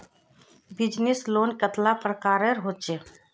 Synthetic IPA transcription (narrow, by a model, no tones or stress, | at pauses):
bɪd͡ʒnesloːnkət̪lapɾəkaːɾəɾɦoːt͡ʃe